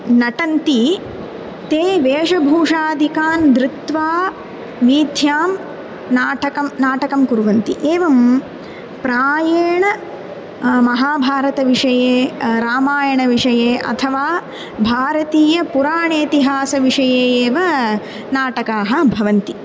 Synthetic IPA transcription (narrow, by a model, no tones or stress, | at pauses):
nɐʈɐnt̪i | t̪eːʋeːʂɐbʱuːʂaːd̪ʱikaːnd̪ɾɪt̪ʋaː | ʋiːd̪ʱjaːm | naːʈɐkɐmnaːʈɐkɐmkuɾʋɐnt̪iʔeːʋɐm | pɾaːjeːɳɐ | mɐɦaːbʱaːɾɐt̪ɐʋiʂɐjeːɾaːmaːjɐɳɐʋiʂɐjeːʔɐ̰t̪ʰɐʋaː | bʱaːɾɐt̪iːjɐpuɾaːɳeːt̪iɦaːsɐʋiʂɐjeːeːʋɐ | naːʈɐkaːɦɐ̆bʱɐʋɐnt̪i